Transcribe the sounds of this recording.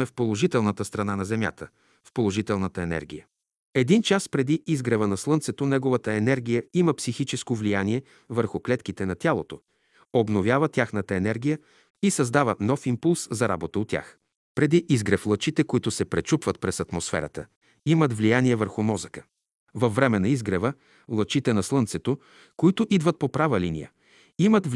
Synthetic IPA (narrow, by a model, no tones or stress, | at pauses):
ɛfpolˠoʒit̪ɛlˠnət̪əst̪ɾɐnanɐzɛmʲja̰t̪ə | fpolˠoʒit̪ɛlˠnət̪əɛnɛ̰ɾɡʲijə | ɛd̪int͡ʃaspɾɛd̪iizɡɾɐvənɐslˠɤnt̪sɛt̪onɛɡovət̪əɛnɛɾɡʲijəiməpsixit͡ʃɛskovlijaniɛ | vəɾxʊklɛt̪kit̪ɛnɐt̪ʲjalˠot̪o | obnovʲjavət̪ʲjaxnət̪əɛnɛɾɡʲijə | isɐzd̪avənɔfimpulˠszɐɾa̰bot̪əot̪ʲːja̰x | pɾɛd̪iʔizɡɾɛflˠət͡ʃit̪ɛkoit̪ʊsɛpɾɛt͡ʃupvət̪̚pɾɛsɐt̪mosfɛ̰ɾə̰t̪ə̰ | imət̪vlijaniɛvəɾxʊmɔzəkə̥ | vɐfːɾɛmɛnɐizɡɾɛvə | lˠət͡ʃit̪ɛnɐslˠɤnt̪sɛt̪o | koit̪ʊʔid̪vət̪̚popɾavəlinḭjə̰ | imət̪v